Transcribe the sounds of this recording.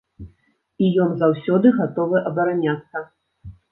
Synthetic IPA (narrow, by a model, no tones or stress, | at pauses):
ijɔnzawsʲɔd̪ɨɣat̪ɔvɨʔɐbɐɾanʲat̪sɐ